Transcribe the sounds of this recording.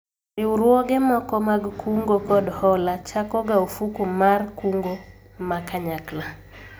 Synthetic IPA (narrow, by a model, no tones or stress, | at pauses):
rɪuɾwɔɡɛmɔkɔmaɡkuŋɡokɔdhɔlat͡ʃakɔɡaofukumarkuŋɡo | makaɲakla